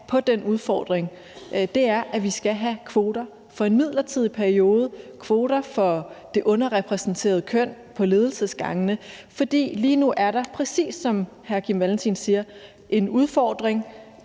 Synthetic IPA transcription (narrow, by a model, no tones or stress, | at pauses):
pʰɒ̽d̥enuð̞ˠfɒ̰ːd̥ʁeŋ | d̥e̝æɐʔæʋisɡ̥æɦækʰʋo̝ːɾ̥ɐ | fɒ̽e̝nmið̞̰ˠlɐt͡sʰið̰ˠipʰæɐio̝ːð̞ˠəkʰʋo̝ːɾɐfɒ̽d̥e̝ʔɔ̽nɐʁɛpʰʁɛsn̩t͡sʰe̝̰ːɐð̞̩ˠəkʰœn̰pʰɒ̽le̝ːðˠl̩səsɡ̥ɑ̈ŋənəfɒ̽d̥ḭːliːnuʔæɐɾ̥ɑ̈pʰʁɛsḭːsːɒ̽m | hæɐkʰimʋælnt͡sʰḭnsiːɐ | ʔe̝nuð̞ˠfɒ̰ːd̥ʁeŋ